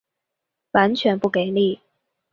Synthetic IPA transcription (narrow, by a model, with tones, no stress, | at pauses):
wa˧˥nt͡ɕʰɥɛ˧˥npu˥˩ke˨˩ɪli˥˩